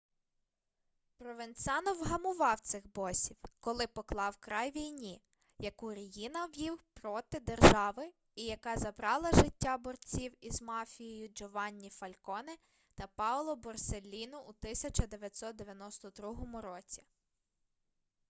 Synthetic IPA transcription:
pɾɔʋensʲɑnɔwɦɐmʊʋɑwt̪sɪxbɔsʲiwkɔlˠɪpɔklˠɑwkɾɑjʋʲijnʲi | jɐkuɾɐjinɐwjiwpɾɔt̪ɪd̪erʒɑʋɪ | ijɐkɑzɐbɾɑlˠɐʒɪtʲːabɔrt͡sʲiwizmɑfʲijijʊd͡ʒɔʋɑnʲːifɐlʲkɔnɪ | t̪ɐpɑlˠɔbɔrselʲːinʊʔut̪ɪsʲɐt͡ʃɐd̪eʋʲjɐtʲsɔt̪̚d̪eʋʲjɐnɔst̪ɔd̪ɾuɦɔmʊɾɔt͡sʲi̥

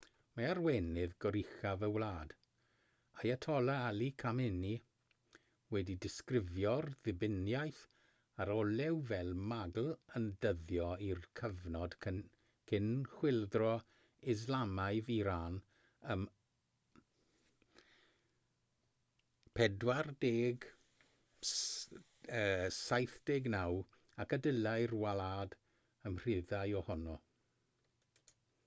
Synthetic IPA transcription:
maarwɛnɪðɡɔɾɪxavəwlaːd̥ | ajatʰɔlˠaalikʰamɪni | wɛdidɪskrɪvjɔrðɪbɪnjajθ | aɾɔlɛwvɛlˠmaɡl̩ˠəndəðjɔirkʰəvnɔd̥ | kʰɪnχwɪlˠdrɔ | ɪzlˠamaɨviɾan | əm | pʰɛdwardeːɡ | əːsajθd̥eːɡnaw | akədəlajrwalaːd | əmr̥ɪðajɔhɔnɔ

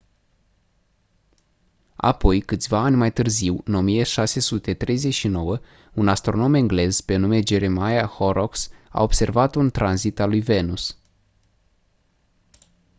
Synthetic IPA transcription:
a̰po̞jkɨt̪sʲvaːnʲmajt̪ɨrziwɨno̞mijeʃase̞sut̪e̞t̪ɾe̞jze̞t͡ʃʃino̞wə | unast̪ɾo̞no̞meŋɡle̞zpe̞nume̞d͡ʒe̞ɾemajahoɾoksa̰o̞b̥se̞rvat̪unt̪ɾanzit̪alujve̞nus

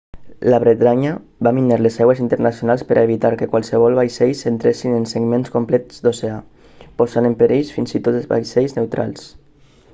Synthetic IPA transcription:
laβɾet̪ɾaɲə | bamineɾlezawezint̪əɾnasjonalˠspəɾʔaeβit̪aɾkekwalˠseβ̞ɔlˠβajsejsent̪ɾesinenseɡmenskomplɛt̪z̥d̪osea | pozanempeɾʔiʎsfinzit̪ot̪ezβa̰jsɛjznewt̪ɾa̰lˠs

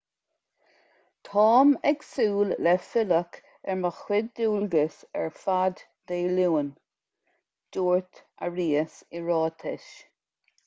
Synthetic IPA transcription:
t̪ʰɑːmɛɡsuːllɛfɪlək | ɛɹməxwɪd̚duːlɡəsɛ̰ɹfad̪ | d̪̥eːluːən | d̥uːɹt̪əɹiːəsɪɹɔːt̪ʰɪʃ

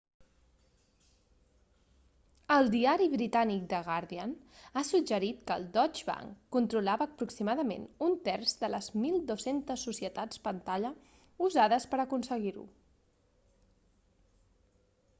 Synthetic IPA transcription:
əlˠd̪iaɾiβɾit̪anik̚d̪əɣaɾðianasud͡ʒəɾit̪kəlˠd̪ɔd͡ʒβa̰ŋkːunt̪ɾulaβəːpɾuksimaðəmḛnunt̪ɛrzd̪ələzmilˠd̪osent̪əsːusiət̪at͡spənt̪aʎə | uzaðəspəɾəkunsəɣiɾṵ

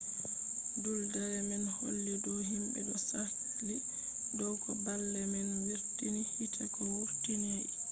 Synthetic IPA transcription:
duldaɾɛmɛnho̰lːidɔɦimbɛɗɔsatali | dɔwkɔbalːɛmɛnwiɾtinihitʰakɔwuɾtinɛ

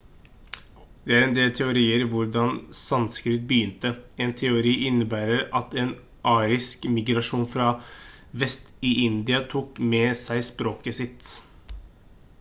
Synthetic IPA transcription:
d̪̥ɛæɾɛnd̪eːlt̪ʰɛʊɾiːəɾʋʊɾɖɑnsɑnskɾɪt̪̚bəjʏnt̪əeːnt̪ʰɛʊɾiːʔɪnːəbæːɾəɾɑt̪eːn | ʔɑːɾɪskmɪɡɾɑʂuːnfɾɑ | ʋɛst̪ɪʔɪnd̪ɪɑt̪ʰuːkmɛːsæɪspɾoːkəsɪt̪

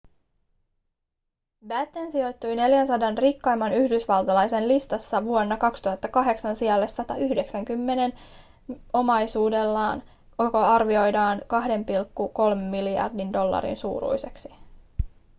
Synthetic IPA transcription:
bæt̪ːensio̞jt̪ːujne̞ljænsɑdɑnrikːɑjmːɑnyhdysʋɑlt̪ɑlɑjse̞nlist̪ɑsːɑʋuonːɑkɑkst̪uɦɑt̪ːɑkɑɦe̞ksɑnsiɑlːesːɑt̪ɑyhde̞ksæŋkymːe̞ne̞n | o̞mɑjsuːde̞lːɑːn | kokoɑrʋio̞jdɑːŋkɑɦde̞mpilkːuko̞lme̞mːiljɑ̰rdindo̞lːɑ̰ɾḭnsṵːɾṵjseksi̥

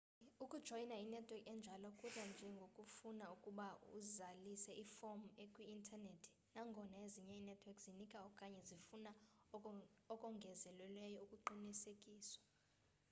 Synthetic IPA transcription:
ukʼud̥ʒ̥ʱɔinainɛtʰwɛkʼɛnd͡ʒʱalɔkʼurand͡ʒʱɛŋɡʱokʼufunaukʼuɓaṵzalisɛʔifom̩ekʼwiintʰanetʰ | naŋɡʱɔnaeziɲɛinɛtʰwɛkʼzinikʼaɔkʼaɲɛzifuna | ɔkʼɔŋɡʱɛzɛlwɛlwɛjɔukʼuǃinisekʼiːswḁ

